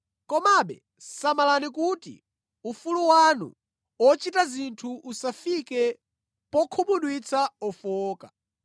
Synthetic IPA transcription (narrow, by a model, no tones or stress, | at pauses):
kɔmaɓɛ̰ | samalanikutḭ | ufuluwanṵ | ɔt͡ʃitazintʰuusafikɛ | pɔkʰuɓuɗwit͡sʰaɔfɔːka